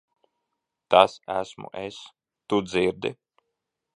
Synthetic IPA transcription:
t̪asæsmṵʔes | t̪ud̪ziɾd̪ḭ

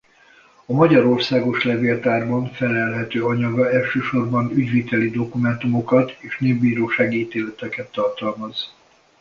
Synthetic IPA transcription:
ɒmɒɟɒɾo̞rsaːɡo̞ʃlɛveːlt̪aːrbɒɱfɛlɛlɦɛt̪øːɒɲɒɡɒɛlʃøːʃo̞rbɒnyɟvit̪ɛlid̪o̞kumɛnt̪umo̞kɒt̪eːʃneːbːiːɾoːʃaːɡiiːt̪eːlɛt̪ɛkɛt̪ːɒrt̪ɒlmɒz̥

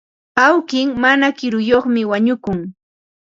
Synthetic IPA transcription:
awkɪŋmanakɪɾʊjoχmɪwaɲʊkʊŋ

